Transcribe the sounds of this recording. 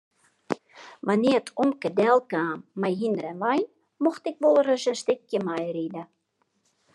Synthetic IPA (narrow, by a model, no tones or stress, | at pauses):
ʋanɪətʰɔmkədɛlˠkaːmːɛjɦindəɾɛnʋɑjn | mɔxtɪkʋolˠərəsəstɪkjəmajridə